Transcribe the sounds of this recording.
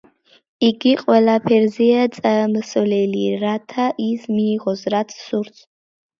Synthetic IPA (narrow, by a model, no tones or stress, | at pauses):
iɡʲiqʼɔlapʰerzijɐt͡sʼɐmɨsɨvleliratʰaʔismiːʁɔzrat͡sʰsursʰʼ